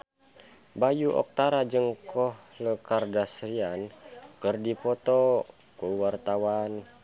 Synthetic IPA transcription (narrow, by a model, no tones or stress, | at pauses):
bajuʔɔ̰k̚t̪aɾad͡ʒɨŋkɔhləkardasɾiankərdipɔt̪ɔ | kuwart̪awan